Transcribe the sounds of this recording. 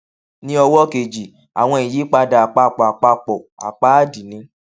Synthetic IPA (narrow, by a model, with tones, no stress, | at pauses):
nĩ˦ɔ˧wɔ˦ke˨d͡ʒi˨ | a̰˨w̃ɔ̃˧i˨ji˨˦k͡pa˧da˨a˨k͡pa˧˨k͡pɔ˨a˨k͡pa˧k͡pɔ˨a̰˨k͡pa˨˦a˦˨di˨nĩ˨˦